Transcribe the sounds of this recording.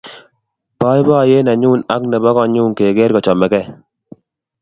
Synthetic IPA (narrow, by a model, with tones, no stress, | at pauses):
pa˦ɪ˦ba˦˨je˦na˨ɲu˦˨na˦knɛ˨ba˦kɔ˦˨ɲu˦ŋke˨ɡe˦ɾkɔ˨t͡ʃɔ˨mɛ˨kɛ˦